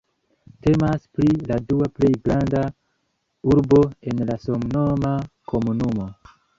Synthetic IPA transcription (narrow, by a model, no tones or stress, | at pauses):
te̞maspɾiladuaple̞jɡɾanda | uɾbo̞e̞nlasomnomakʰo̞munumo̞